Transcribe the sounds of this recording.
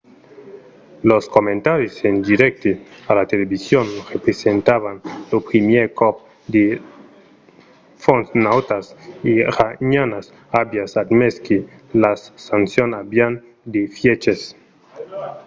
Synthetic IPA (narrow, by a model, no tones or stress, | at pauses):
loskomẽnt̪aɾjosend̪iɾek̚t̪ealat̪eleβisjonrepɾesent̪aβanlopɾimjeɾkop̚ | d̪e | fonsnawt̪asiɾaɲanas | abjasad̪meski | lassansjonabjan | d̪efjet͡ʃes